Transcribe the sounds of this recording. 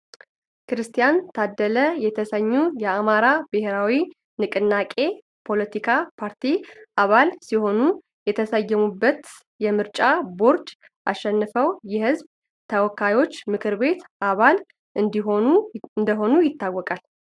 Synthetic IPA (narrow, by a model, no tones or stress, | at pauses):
kɾɨst̪ʰijant̪ʰad̪ːələjɛt̪ʰəsəɲːujɛamaɾabɨheɾawi | nɨkʼɨnːakʼe̞ | pʰo̞lət̪ʰikʰapʰaɾt̪iʔaβalsiho̞nu | jɛt̪ʰəsəjːɛmubːət̪ | jɛmɨɾt͡ʃʼabo̞ɾd͡ʒ̪ | ʔaʃːɛnːɨfəwjɛhɨzb | t̪ʰəwɔkʰːajo̞t͡ʃːmɨkʰɨɾbe̞t̪ʔaβal | ɨd̪ɦouɨnd̪əɦo̞nujɪt̪ːawːɔkʼal